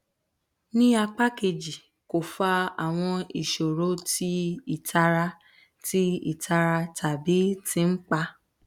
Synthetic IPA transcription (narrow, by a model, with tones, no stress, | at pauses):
nĩ˦a˧k͡pa˦ke˧d͡ʒi˨ | ko˨fa˧˦a˨w̃ɔ̃˧i˨ʃo˨ɾo˨˦tʰi˦i˦˨tʰa˧ɾa˧ | ti˦ḭ˨ta˧ɾa˧tʰa˨bi˨˦tĩ˧˦n̩˦k͡pa˧